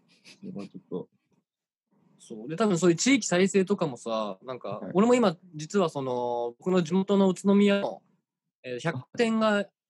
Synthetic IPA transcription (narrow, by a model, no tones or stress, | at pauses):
ɾeβat͡ʃot̪ːo̰ | so̞ːd̪e̞t̪abɯ̟ɰ̃soːjɯ̟t͡ɕiːkʲi̥saise̞ːt̪o̞kamo̞sanãŋka̰o̞ɾe̞mo̞imad͡ʑit͡sɨβaso̞no̞bokɯ̟no̞d͡ʑimo̞t̪o̞no̞ɯ̟t͡sɨno̞mʲijao̰ | eːt̪ːoçakkkːat̪ẽ̞ŋɡa